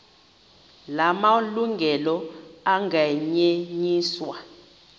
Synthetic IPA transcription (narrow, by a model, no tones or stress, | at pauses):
lamaluŋɡʱɛlɔaŋaɲeɲiːswa